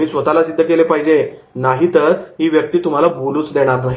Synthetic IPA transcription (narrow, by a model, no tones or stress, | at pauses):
iːsʋət̪alasid̪ʱːəkelepaɦid͡ʑe | naɦiːt̪əɾɦiːʋjək̚t̪iːt̪um̤alabʱuluːt͡sd̪eɽ̃aɾnaɦi